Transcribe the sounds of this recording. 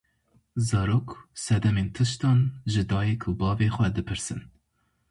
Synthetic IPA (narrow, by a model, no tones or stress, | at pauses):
zɑːɾoːksɛd̪ɛmeːnt̪ʰɨʃt̪ɑːnʒɨd̪ɑːjɛkʰʊbɑːveːxʷɛd̪ɨpʰɨɾsɨ̰n